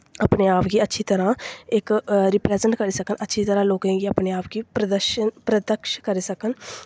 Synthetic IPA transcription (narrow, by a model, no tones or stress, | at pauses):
əpneːaːpɡiːətːʃʰiːt̪əɾãːɪkɾɪplɛːzəɳʈkəɾiːsəkənətːʃʰiːt̪əɾãːloːkãːɡiːəpneːaːpɡiːpɾəd̪əʃənpɾəd̪əkʃkəɾiːsəkən